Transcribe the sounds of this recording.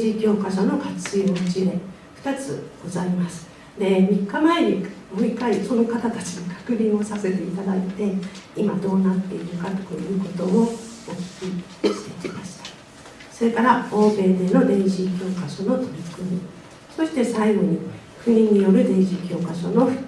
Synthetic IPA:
ʑikʲo̞ːkaɕo̞no̞kat͡sɨjot͡ɕiɾe̞ | ɸɯ̥t̪at͡sɨ̰ɡ̥o̞zaimasɨ̥ | d̪e̞mʲikːamae̞ɾʲimo̞ikːaiso̞no̞kat̪at̪at͡ɕinokʰḁkɯ̟ɾʲĩɰ̃o̞sase̞t̪e̞it̪ad̪ait̪e̞imad̪o̞ːnat̪ːe̞iɾɯ̟kat̪o̥ko̰jɯ̟ːko̞t̪o̞ookʲi̥kʲi | ɕi̥t̪e̞kʲimaɕi̥t̪ḁ | so̞ɾe̞kaɾaoːbe̞ːd̪e̞no̞d̪ẽ̞ɰ̃ɕikʲo̞ːkaɕo̞no̞t̪o̞ɾʲikɯmʲḭ | so̞ɕi̥t̪e̞saiɡo̞ɲ̟i | ɸɯ̟ɲĩɲ̟ːijo̞ɾɯ̟d̪ẽ̞ɰ̃ʑikʲo̞ːkaɕo̞̰no̞ɸɯ

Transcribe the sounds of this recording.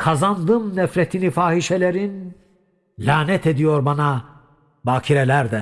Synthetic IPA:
kʰazand̪ɯmnɛfɾet̪ʰinifaːhiʃelʲeɾin | lʲaːnɛt̪ʰe̞d̪ijo̞ɾbana | baːcʰiɾelʲæɾd̪ɛ

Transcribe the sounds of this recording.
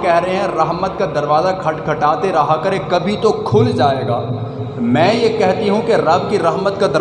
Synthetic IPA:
kɛɦɾɐɦeɦɛ̃ɾɐɦmət̪̚kad̪ɐɾʋaːzakʰɐʈkʰɐʈaːt̪eɾɐɦakɐɾekɐbʱit̪okʰʊld͡ʒaːeːɡaː | mɛ̃ːjekɛɦt̪iɦũkeɾɐbkiɾɐɦmət̪kad̪ɐ

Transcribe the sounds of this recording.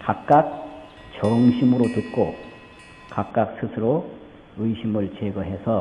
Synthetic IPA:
kak̚k͈ak̚ | t͡ɕʌŋɕʰimɯɾotɯt̚k͈o | kak̚k͈ak̚s͈ʰɯsʰɯɾo | ɯiɕʰimɯɭt͡ɕeɡʌɦe̞sʰʌ

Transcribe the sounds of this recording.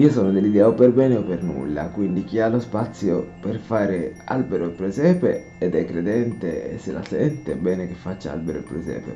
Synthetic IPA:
iːosɔːnod̪elːid̪ɛːoperbɛːneopːernṵlːa̰kwind̪ik̟ialːospat̪sːjoperfaːɾea̰lbeɾoilpɾezɛːpe | ɛd̪ɛkːɾed̪ɛnt̪eḛsːela̰sɛnt̪ebɛːnekefːat͡ʃːaa̰lbeɾoḭlpɾezɛ̰ːpḛ

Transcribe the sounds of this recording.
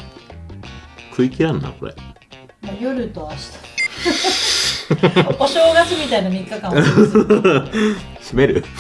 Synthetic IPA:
kʰɯ̟ikʲiɾãnːa̰ko̞ɾḛ | majoɾɯt̪oaɕi̥t̪ḁ | oɕo̞ːɡasɨmʲit̪ainamʲikːakã | ɕime̞ɾɯ̟

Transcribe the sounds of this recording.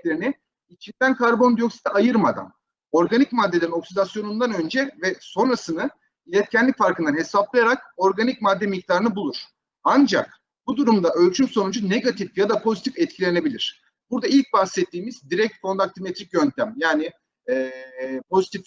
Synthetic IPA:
lʲeɾini | it͡ʃʰind̪ænkʰaɾbo̞nd̪ijo̞ksi̥t̪ʰiajɯɾmad̪a̰n | o̞ɾɡanicmad̪ːe̞lʲe̞ɾino̞ksilʲasjo̞nund̪anø̞nd͡ʒɛvɛso̞nɾasɯnɯ | ilʲɛt̪cʰɛnlʲicʲfaɾkɯnd̪anɦe̞saplˠajaɾako̞ɾɡanic̚mad̪ːɛmic̚t̪ʰaːɾɯnɯbulˠuɾ̥ | and͡ʒa̰k̚ | bud̪uɾumd̪aʔø̞lʲt͡ʃʰymso̞nud͡ʒune̞ɡat̪ʰifjad̪apʰo̞zit̪ʰifɛt̪̚cʰilʲe̞ne̞bilʲiɾ̥ | b̥uɾd̪ailʲc̚bahsɛt̪ʰːiːmizd̪iɾɛc̚t̪fond̪ak̚t̪ʰimet̪ɾicjønt̪ʰæmjaːnɪ | ɛːpʰo̞zit̪ʰif

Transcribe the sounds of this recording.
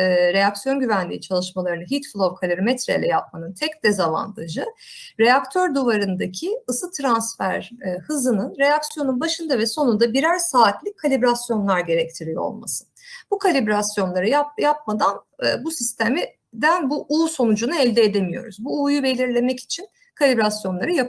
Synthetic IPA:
ɾe̞jaksjo̞nɟyvænlʲḭːt͡ʃʰalˠɯʃmalˠaɾɯnɯɦit̪flˠovkʰalʲiɾmɛt̪ɾḛjlʲɛ̰jap̚manɯnt̪ʰɛcd̪̥ezalˠa̰nt̪ʰɯd͡ʒɯɾe̞jakt̪ʰø̞ɾd̪uvaɾɯnd̪acʰiɯsɯt̪ʰɾansfæɾhɯzɯnɯnɾe̞jaksjo̞nunbaʃɯnd̪avɛso̞nund̪abiɾæɾsaːt̪lʲic̚ʲʰːalʲibɾasjo̞nlˠaɾɟe̞ɾɛc̚t̪ʰiɾijo̰o̰lˠma̰sɯ̥nbukʰalʲibɾasjo̞nlˠaɾɯjajap̚mad̪anː | busist̪ʰemi | d̪ænbuʔuːso̞nud͡ʒunaɛlʲd̪ɛːd̪emijo̞̰ɾuzbuːjube̞lʲiɾlʲe̞mɛci̥t͡ʃʰin | kʰalʲibɾasjo̞nlˠaɾɯjap

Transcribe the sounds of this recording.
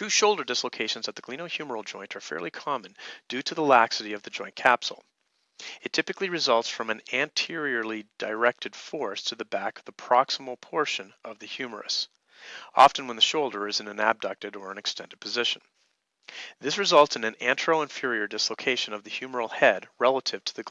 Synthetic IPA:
fʉʃoʊlˠdə˞dɪsloʊkʰeɪʃn̩zɨt̪̚ðɨɡ̥lĩñoʊhjʉmə˞l̩ˠd͡ʒɔ̃ɪ̃ntʰə˞fɛ̰ɹlˠikʰɑmə̃nd̥ʉɾɨðəlæksɨɾiʌvðɨd͡ʒɔ̃ɪ̃nkʰæpsl̩ˠ | ɨtʰɪpɨkliɹɨzʌlˠtsfɹʌ̃mɨ̃næ̃ntʰɪɹiə˞lˠid̥əɪɹɛk̚tɨd̥fɔɹstʰɨðɨbækʌvðəpʰɹ̥ɑksəml̩ˠpʰɔɹʃɨ̃nʔʌvðɨhjʉmə̰˞ɨ̰s | ɑ̰fɨ̃n̩wə̃nðɨʃoʊlˠdə˞ɨzɨ̃nɨ̃næb̚dʌk̚tɨɾə˞ɨ̃nɨkstɛ̃ndɨd̚pʰɨzɪʃɨ̃n̩ | ðɪsɹɨzʌlˠtsɨ̃nɨ̃næ̃nt͡ʃɹ̥oʊə̃ɱfɪɹiə˞dɪsloʊkʰeɪʃɨ̃nʌvðɨhj̥ʉmə˞l̩ˠhɛd̚ɹɛlˠəɾɨv̥tʰəðɨ

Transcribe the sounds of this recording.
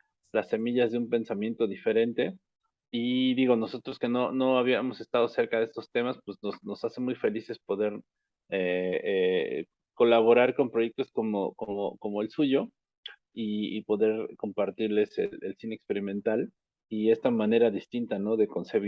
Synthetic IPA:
lasːe̞miʝazðeumpe̞nsamje̞nt̪o̞ðife̞ɾe̞nt̪e̞ | iðiɣo̞no̞so̞t̪ɾo̞ske̞no̞no̞aβiamo̞se̞st̪að̞o̞se̞ɾkaðe̞st̪o̞st̪e̞maspwe̞zno̞zno̞sase̞mujfe̞lise̞spo̞ðe̞ɾ | ee | ko̞laβ̞o̞ɾaɾko̞mpɾoʝe̞k̚t̪o̞sko̞mo̰komoko̞mo̞e̞lsuʝo̞ | iipo̞ðe̞ɾko̞mpaɾt̪iɾle̞sḛlelsineːkspe̞ɾimẽnt̪al | ie̞st̪amãne̞ɾaðist̪int̪ano̞ðe̞ko̞nse̞βi

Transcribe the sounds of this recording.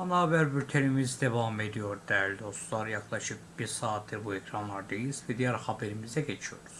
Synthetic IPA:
ɑnaːbæɾbyɾt̪ʰelimizd̪evɑmed̪ijo̞ɾd̪ælɾd̪o̞st̪lˠɑɾjɑklˠɑʃɯp̚biɾsɑːt̪ʰːiɾbuekʰɾɑnlˠɑɾd̪ejizvɛd̪ijæɾχɑbeɾimizd̪æɟet͡ʃʰijo̞̰ɾuzz̥

